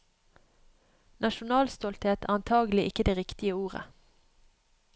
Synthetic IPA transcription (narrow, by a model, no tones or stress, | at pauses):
nʔɑʃʊnɑːlst̪ɔlt̪heːt̪ʰæ̰ːɑnt̪ʰɑːɡlɪʔɪkəd̪eːʁɪkt̪ɪəuːʁə̰